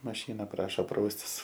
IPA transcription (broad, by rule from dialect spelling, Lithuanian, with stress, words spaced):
mɐˈʃʲiːnɐ ˈprɑːʃoː ˈprɐʊsʲtʲɪs